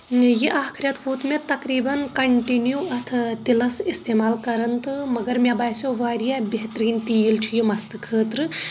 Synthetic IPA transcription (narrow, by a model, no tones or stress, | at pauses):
jiʔaːkʰɾʲjɐt̪ʰfuːt̪met̪ɐkɾiːbɐnkɐɳʈinjuɐt̪ʰt̪ilɐsist̪eːmaːlkɐɾɐnt̪ʰɨmɐɡɐɾmʲjabaːjsjoʋaːɾijabeɦt̪ɾiːnt̪ijilt͡ʃʰijimɐst̪ɨkʰəːt̪ɾɨ